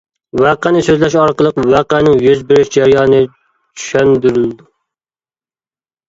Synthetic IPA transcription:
wæqænɪsøzlɛʃɑɾqəlˠəqwæqænɪŋjyzbɪɾyʃd͡ʒæɾjɑːnɨ | t͡ʃʰy̥ʃɛnd̪yɾyld̪u

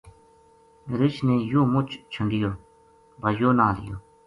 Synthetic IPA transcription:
ɾɪt͡ʃneːjoːmʊt͡ʃʰt͡ʃʰəŋɡɪjoː | bajoːnaːlɪ̰jo̰ː

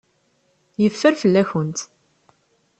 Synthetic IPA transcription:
jəfːəɾfəlːæçənt̪

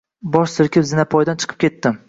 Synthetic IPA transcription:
bɒʃsɪɾkʲɪpzɪnapʰɒjd̪ant͡ʃʰɨ̥qʰɨ̥p̚kʲe̞t̪ːɪ

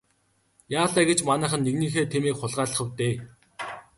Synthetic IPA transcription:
jaːɮæːɡet͡ɕmanæːχə̆nːeɣniːxeːt̪ʰemeːkχʊɮʁaːɮə̆χə̆wt̪eː

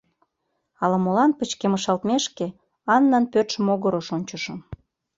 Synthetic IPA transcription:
ɑlɑmolɑnpət͡ɕkeməʃɑlt̪meʃke | ɑnːɑnpøt̪ʃə̆moɣəɾoʃonʲt͡ɕə̆ʃɤ̆m

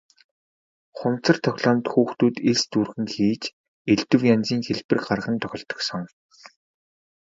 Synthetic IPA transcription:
χʊmt͡sə̆rt̪ʰɔxʲɮɔːmt̪xuːxt̪uːt̪eɮst̪urɣɘ̆ŋxiːt͡ɕ | eɮt̪ɘ̆wjant͡siːŋxeɮpɘ̆rɢarʁə̆nt̪ʰœxʲɞ̆ɬt̪ɞ̥̆ksɞ̆ŋ

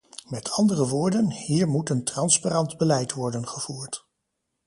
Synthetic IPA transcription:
mɛtʰɑndərəʋʊːɹdənhiːɹmutəntrɑnsparɑndbəlɛjtʋɔɹdənχəv̥uːɹt

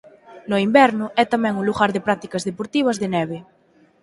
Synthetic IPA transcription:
noimbɛɾnʊʔɛt̪amɛ̃ŋũnluɣaɾðepɾat̪i̥kazðepoɾt̪iβ̞ɐzðenɛβ̞e

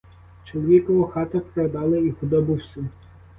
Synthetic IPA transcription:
t͡ʃɔlˠɔʋʲikɔʋɔxɑt̪ɐpɾɐd̪ɑlˠɪipɔd̪ɔbɪwsʲɐ

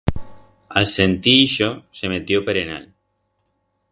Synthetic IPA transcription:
alsent̪iiʃosemet̪jopeɾena̰l

